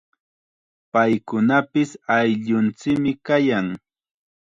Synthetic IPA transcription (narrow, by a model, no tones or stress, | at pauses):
pajkʊnapɪsajʎʊnt͡sɪkmɪkajaŋ